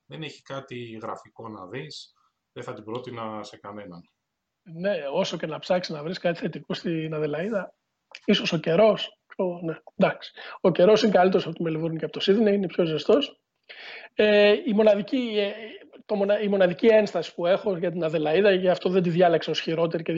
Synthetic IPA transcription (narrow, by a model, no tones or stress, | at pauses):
ðeneçi̥kɐt̪iɣɾɐ̰fiko̞nɐ̰ðis | ðeθɐt̪ibɾo̞t̪inɐse̞kɐnenɐ̰n | ne̞o̞so̞ce̞nɐpsɐksi̥nɐvɾiskɐt̪i̥θe̞t̪ikust̪inɐðelɐiðɐ | iso̞so̞ce̞ɾo̞s | onend̪ɐksi̥o̞ce̞ɾo̞sinekɐlit̪eɾsɐpot̪imelivuɾniceɐpot̪osiðinɐinepço̞zest̪o̞s | eimo̞nɐðici | t̪o̞monɐimo̞nɐðicie̞nst̪ɐsi̥pue̞xo̞ʝɐt̪̬inɐðe̞lɐiðɐceɐft̪o̞ðend̪iðʝɐlekse̞osçiɾo̞t̪e̞ɾice